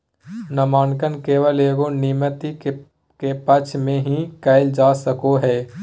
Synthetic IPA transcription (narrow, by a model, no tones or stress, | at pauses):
nəmaːnkənkeːʋəleːɡonɪmət̪i | kepət͡ʃʰmẽɦĩkəɪld͡ʒaːsəkoɦɛː